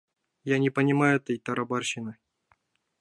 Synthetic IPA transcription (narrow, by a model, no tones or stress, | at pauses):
janʲɪpənʲɪmajʊɛt̪əjt̪ɐɾabarɕɪnɨ